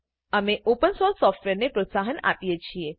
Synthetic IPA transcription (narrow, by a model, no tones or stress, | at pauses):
əmeʔopənsoɾsːɔfʈʋeɾnepɾot̪saɦəna̰pijet͡ʃʰie